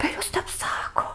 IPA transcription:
pʲɛr ˈjʊs ˈtʲɛp ˈsɑːkoː

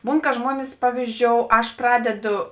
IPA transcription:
ˈbuːn kɐ ˈʒmuɔnʲɪs ˈpɑːʋʲiːzʲˌd͡ʒʲoːʊ ˈɐʃ ˈprɑːdʲɛdoː

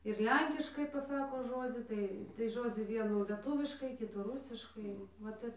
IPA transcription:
ɪr ˈlʲɛŋʲkʲɪʃkɐɪ pɐˈsɑːkoː ˈʒoːd͡zʲiː ˈtɐɪ tɐɪ ˈʒoːd͡zʲiː ˈʋʲiɛnuː lʲɛˈtʊʋʲɪʃkɐɪ ˈkʲɪtuː ˈrʊsʲɪʃkɐɪ ʋɐ ˈtʲɛp

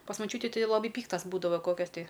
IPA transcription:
pɐs mɐˈt͡ʃʲuːtʲɪ ˈtɐɪ lˠɐˈbɐɪ ˈpʲiːktɐs ˈbuːdɐʋɐ ˈkoːkʲɛs tʲɪ

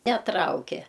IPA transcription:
nʲɛˈtrɐʊkʲɛ

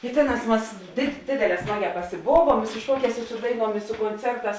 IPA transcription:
ɪ ˈtʲeːˌnɑːs ˈmɐs dʲeːt ˈdʲeːdʲeːˌlʲɛː ˈsmɑːˌɡʲɛː pɐsʲɪˈboːʋuɔm ɪ sʊ ˈʃuɔˌkʲɛːs ɪ ˈsʊ dɐɪˌnuɔm ɪ sʊ koːnʲˈt͡sʲɛrˌtɑːs

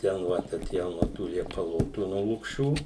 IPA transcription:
ˈtʲɛn ʋɐt ɐˈtʲeːjoːm nuɔ ˈtuː lʲiɛpɐˈlˠoːtuː nuɔ lˠʊkˈʃʲuː

